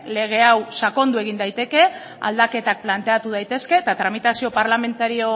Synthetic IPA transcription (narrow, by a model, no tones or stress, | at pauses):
le̞ɣ̞e̞awsako̞nd̪ue̞ɣ̞ind̪ajt̪e̞ke̞ | a̰ld̪ake̞t̪ak̚plant̪e̞at̪uð̞ajt̪e̞ske̞t̪at̪ɾamit̪asio̞paɾlame̞nt̪aɾio̞